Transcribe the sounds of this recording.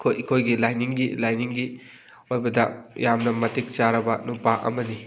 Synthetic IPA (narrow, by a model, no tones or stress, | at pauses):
kʰokʰojɡilajniŋɡilajniŋɡi | ojbɐdɐjamnɐmɐtik̚t͡ʃaɾɐbɐnupaʔɐ̰mɐdi